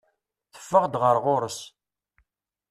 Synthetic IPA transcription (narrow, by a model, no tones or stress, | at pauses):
θə̥fːəʁd̪ʁəɾʁoɾəs